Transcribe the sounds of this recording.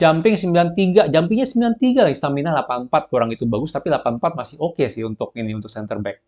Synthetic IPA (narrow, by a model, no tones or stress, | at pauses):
d͡ʒampɪŋsəmbilant̪iɡad͡ʒampɪŋɲasəmbilant̪iɡalist̪aminalapanmpat̪̚kəuɾaŋit̪ubaɡʊst̪apilapanmpat̪̚masɪhokesɪhunt̪ʊk̚iniunt̪ʊksɛnt̪ərbɛk̚